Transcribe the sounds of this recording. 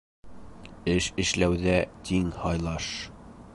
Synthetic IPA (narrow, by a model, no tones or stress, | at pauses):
ɘʃɘ̆ʃlæwðæt̪ʰiŋhɑjlˠɑʃ